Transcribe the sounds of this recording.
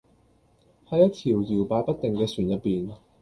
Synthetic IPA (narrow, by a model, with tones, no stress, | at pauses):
hɐ˨˧jɐ˥t̪ʰiː˨˩wjiː˨˩wpaː˨˧˥jpɐ˥t̚t̪e˨˩ŋkɛː˧syː˨˩njɐ˨t̚pːiː˨n